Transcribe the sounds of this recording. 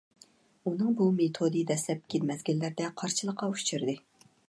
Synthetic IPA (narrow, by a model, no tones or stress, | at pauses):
unɨŋbumet̪ʰod̪ijd̪ɛslɛp̚kʲʰelmɛzɡʲilːæɾd̪ɛqʰɑɾt͡ʃʰɨlˠəqːɑuʃt͡ʃʰiɾd̪ɨ